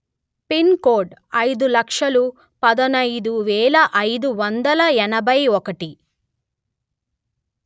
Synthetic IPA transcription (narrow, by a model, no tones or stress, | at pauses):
pinkoːɾɖɐjd̪ulɐkʂɐlu | pɐd̪ɐnɐjd̪uʋɛːlɐʔɐjd̪uʋɐnd̪ɐlɐɛnɐbɐjɔkɐʈi